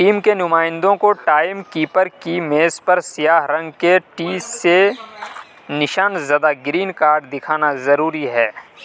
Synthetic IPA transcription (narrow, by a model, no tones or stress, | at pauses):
ʈiːmkenʊmaːɪ̃nd̪õkoʈaːɪmkiːpəɾkimeːspɐɾsijaːɦɾɐ̃ŋɡkeʈiːsːe | nɪʃaːnzaːd̪aɡɾiːnkaːɾɖd̪ɪkʰaːnazɐɾuːɾiɦɛː